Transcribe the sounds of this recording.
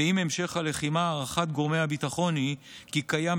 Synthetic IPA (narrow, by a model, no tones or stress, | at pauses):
imemʃe̞χhale̞χimaːʁaχat̪̚ɡo̞ʁmeabit̪aχo̞nikikaja